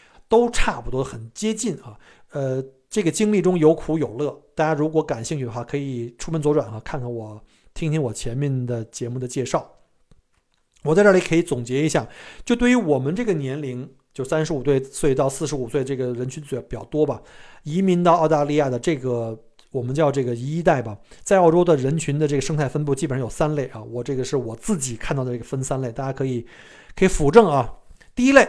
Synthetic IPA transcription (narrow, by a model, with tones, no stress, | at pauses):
t̪o˥ʊʈ͡ʂʰa˥˩pu˨˩t̪wɔ˥xə˨˩nt͡ɕjɛ˥t͡ɕi˥˩nɐ˩ | ə˧ | ʈ͡ʂɤ˥˩ɡə˩t͡ɕi˥ŋli˥˩ʈ͡ʂʊ˥ŋjo˧˥ʊkʰu˧˥jo˨˩ʊlɤ˥˩t̪a˥˧t͡ɕa˥nɻu˧˥kwɔ˧˥ka˨˩nɕi˥˧ŋt͡ɕʰy˥˩ə˧xwa˥˩kʰɤ˧˥i˨˩ʈ͡ʂʰu˥fə˥nt͡swɔ˧˥ʈ͡ʂwa̰˨˩nxa˧˥kʰa˥˧nkʰa˧˩nwɔ˨˩˦ | t̪ʰi˥ŋt̪ʰi˥ŋwɔ˨˩t͡ɕʰjɛ˧˥nmjɛ˥˩nd̪ə˩t͡ɕjɛ˧˥mu˥˩d̪ə˩t͡ɕjɛ˥˧ʂɑ˥˩ʊ | wɔ˨˩t͡sa˥˧ɪʈ͡ʂə˥˩li˧˥˩kʰɤ˧˥i˧˥t͡sʊ˨˩ŋt͡ɕjɛ˧˥i˧˥ɕja˥˩t͡ɕjo˥˧ʊt̪we˥˩ɪy˧˥wɔ˨˩mə˦nʈ͡ʂɤ˥˩ɡə˩njɛ˧˥nli˧˥ŋ | t͡ɕjo˥˧ʊsa˥nʂɻ̩˧˥u˨˩swe˥˩ɪswe˥˧ɪt̪ɑ˥˧ʊsɹ̩˥˩ʂɻ̩˧˥u˨˩swe˥˧ɪə˧ʈ͡ʂɤ˥˩ɡə˩ɻə˧˥nt͡ɕʰy˧˥nt͡su˨˩˥pt͡ɕjɑ˥˩ʊt̪wɔ˥bɐ˨i˧˥mi˧˥ŋt̪ɑ˥˧ʊɑ˥˧ʊt̪a˥˧li˥˧ja˥˩d̪ə˩ʈ͡ʂɤ˥˩ɡə˩ | wɔ˨˩mə˦nt͡ɕjɑ˥˧ʊʈ͡ʂɤ˥˩ɡə˩i˧˥i˥t̪a˥˩ɪbɐ˩t͡sa˥˧ɪɑ˥˩ʊʈ͡ʂo˥ʊd̪ə˨ɻə˧˥nt͡ɕʰy˧˥nd̪ə˧ʈ͡ʂɤ˥˩ɡə˩ʂɤ˥ŋt̪ʰa˥˩ɪfə˥np̬u˥˧t͡ɕi˥˩˨ʂɑ˥˧jo˨˩ʊsa˥nle˥˩ɪʔɐ˩wɔ˨˩ʈ͡ʂɤ˥˩ɡə˩ʂɻ̩˥˩wɔ˨˩t͡sɹ̩˥˩t͡ɕi˨˩˦kʰa˥˧t̪ɑ˥˩ʊdə˩ʈ͡ʂɤ˥˩ə˩fə˥nsa˥nle˥˩ɪt̪a˥˧˩t͡ɕja˥kʰɤ˧˥i˨˩˦ | kʰɤ˧˥i˨˧˩fu˧˥ʈ͡ʂɤ˥˩ŋɐ˩ | t̪i˥˧i˥le˥˩ɪ